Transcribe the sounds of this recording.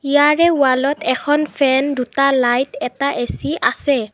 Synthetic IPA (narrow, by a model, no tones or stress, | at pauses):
ijaɹɛwalɔtɛkʰɔnfʰɛndutalajtɛtaʔesiʔasɛ